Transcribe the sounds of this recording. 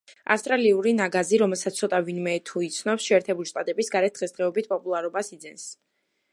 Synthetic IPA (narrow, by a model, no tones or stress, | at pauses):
a̰st̪ʼɾaliuɾinaɡaziɾɔmɛlˠsat̪ssʰɔt̪ʼavinmɛt̪ʰuit̪sʰnɔpsʃɛːɾt̪ʰɛbuliʃt̪ʼat̪ʼɛbisɡaɾɛt̪̚d̪̥ʁɛsd̪ʁɛɔbit̪̚ʰpʼɔpʼulˠaɾɔbasid̪zɛns